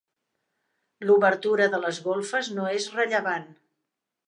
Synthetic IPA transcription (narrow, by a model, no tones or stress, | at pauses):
luβəɾt̪uɾəðələzɣolˠfəznoezrəʎəβan